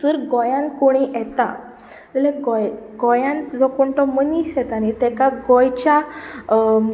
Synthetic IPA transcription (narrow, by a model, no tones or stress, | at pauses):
səɾɡɔjãnkoɽ̃iɛt̪a̰ | t̪əlɛɡɔjɡɔjãnd͡zɔkoɳʈɔməniɕjɛt̪anit̪ɛkaɡɔjt͡ɕa